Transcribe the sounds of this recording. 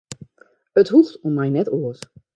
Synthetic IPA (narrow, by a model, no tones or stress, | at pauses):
əthuftɔnmɛjnɛtoəs